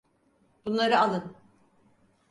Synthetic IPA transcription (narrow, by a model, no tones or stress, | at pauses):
b̥unlˠaɾɯalˠɯn